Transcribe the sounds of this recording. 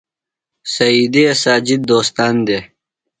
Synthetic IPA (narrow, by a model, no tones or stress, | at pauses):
sɐid̪eɐsaːd͡ʑid̪ːoːst̪ɑːnd̪e